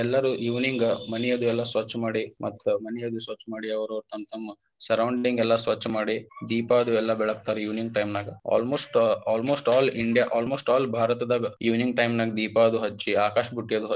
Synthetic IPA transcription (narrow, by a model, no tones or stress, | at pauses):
ɛlːɐɾujuːʋniŋɡmɐnɛjɐd̪uɛlːɐsʋɐt͡ʃːɐmaːɽimʔɐt̪ːumɐnɛjɐd̪usʋɐt͡ʃːɐmaːɽiɐʋɐɾɐʋɾut̪ɐnt̪ɐmːɐ | sɐɾɐwɳɖɖiŋɡɛlːɐsʋɐt͡ʃːɐmaːɽid̪iːpaːd̪uɛlːɐbɛɭɐk̚t̪aːɾɛjuːniŋɡ̚ʈɐjmnaːɡɐa̰ːlmoːsʈaːlmoːsʈaːliɳɖijaʔaːlmoːsʈaːlbʱaːɾɐt̪ɐd̪aːɡɐjuʋniŋɡʈɐjmnaːɡɐd̪iːpaːd̪uɦɐt͡ʃːiaːkaːʃɐbʱuʈːijɐd̪uɦɐ